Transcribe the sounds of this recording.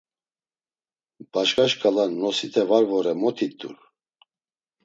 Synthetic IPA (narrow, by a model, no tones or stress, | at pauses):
b̥aʃkaʃkalanːɔsit̪ʰɛvaɾvɔɾɛmɔt̪ʰit̪ːṵɾ